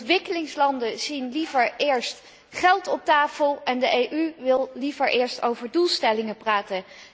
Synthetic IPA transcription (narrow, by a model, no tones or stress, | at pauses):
ʋɪkəlɪŋslɑndəzinlivəɹɪːɹst | χɛlˠtɔp̚taːfəlˠɛndəʔejʔyʋɪlˠlivəɹʔɪːɹsto̰wvəɹdulˠstɛlɪŋəpraːtə